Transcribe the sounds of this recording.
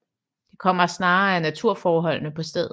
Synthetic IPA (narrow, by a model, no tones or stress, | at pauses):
d̥e̝kʰɒ̽m̰ɐsnɑ̈ːænæt͡sʰuɐ̰fɒːɦɒ̽l̰nəpʰɒ̽sd̥eð̰ˠ